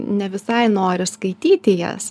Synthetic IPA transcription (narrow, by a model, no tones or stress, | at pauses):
nʲɛʋʲɪsɐɪnoːɾʲɪskɐɪt̪ʲiːt̪ʲɪjɛ̰s